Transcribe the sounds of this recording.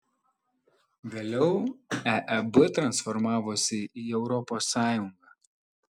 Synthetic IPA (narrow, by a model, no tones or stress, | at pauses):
ʋʲeːlʲɛʊɛʔɛbɪt̪ɾɐnsfɔɾmɑːʋoːsʲɪiːɛʊɾɔpoːsːɑːjʊŋɡɑː